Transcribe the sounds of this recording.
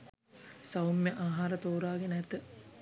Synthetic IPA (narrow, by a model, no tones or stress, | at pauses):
sɐwumjeʔaːɦaːɾət̪oːɾaːɡenəɛt̪ə